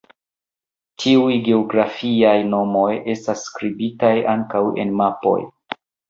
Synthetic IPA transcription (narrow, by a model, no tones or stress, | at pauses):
tʰiujɡe̞oɡɾafiajno̞mo̞je̞stasːkɾibitajaŋkawe̞̰nmapo̞̰j